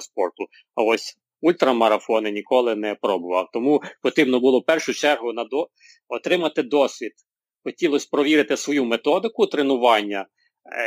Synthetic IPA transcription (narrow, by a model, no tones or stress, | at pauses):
spɔrt̪ʊ | ɐɔsʲ | ulʲt̪ɾɐmɐɾɐfɔnɪnʲikɔlˠɪnɛpɾɔbʊʋɑwt̪ɔmupɔt̪ɪbnɔbʊlˠɔpɛrʃʊt͡ʃɛrɦʊnɐd̪ɔ | ɔt̪ɾɪmɐt̪ɪd̪ɔsʲʋʲid̪̥ | xɔtʲilˠɔsʲpɾɔʋʲiɾɪt̪ɪsʋɔjumet̪ɔd̪ɪkʊt̪ɾenʊʋɑnʲːɐ